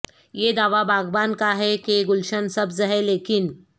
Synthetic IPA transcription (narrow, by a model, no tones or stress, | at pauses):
jeːd̪aːʋabaːɡbaːnkaɦɛkeɡʊlʃənsɐbzɦɛleːkɪn